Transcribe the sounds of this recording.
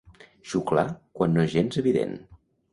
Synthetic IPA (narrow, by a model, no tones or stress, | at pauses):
ʃukla̰kwanːoʒenzəβiðḛn